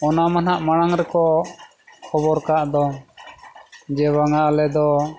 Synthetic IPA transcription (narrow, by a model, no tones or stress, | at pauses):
ɔnamanaʔmaɽ̃aŋɾɛkɔ | kʰɔbɔɾkaʔd̪ɔ | d͡ʒɛbaŋalɛd̪ɔ